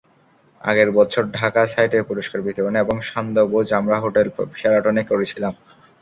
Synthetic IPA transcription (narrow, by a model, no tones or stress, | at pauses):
a̰ɡeɾbɔtːt͡ɕʰoɾɖʱakasajʈeɾpuɾoʃkaɾbit̪oɾoneboŋʃand̪obod͡ʑamɾaɦoʈelbiʃaɾaʈonekoɾet͡ɕʰilam